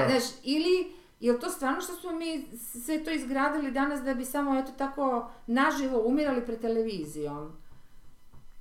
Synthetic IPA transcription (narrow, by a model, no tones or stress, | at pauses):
naʃili | jelt̪ost̪vʋaːɾno̞ʃt̪osmo̞miːssʋet̪oːizɡɾaːd̪ilid̪anasd̪abisamoet̪ot̪ako̞naʒiʋo̞umiɾalipɾed̪t̪eleʋiːzijom